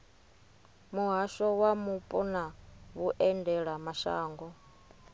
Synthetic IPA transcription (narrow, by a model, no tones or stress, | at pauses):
muɦaʃɔwamupʼɔnaβuʔɛndɛɺamaʃa̰ːŋɡɔ